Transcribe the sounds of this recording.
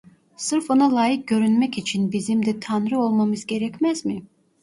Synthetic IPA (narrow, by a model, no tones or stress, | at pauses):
sɯɾfonalˠaːjɯk̚ɟø̞ɾynmɛcit͡ʃʰinbizimd̪ɛt̪ʰanɾɯo̞lˠmamɯzɟe̞ɾɛcmæzmɪ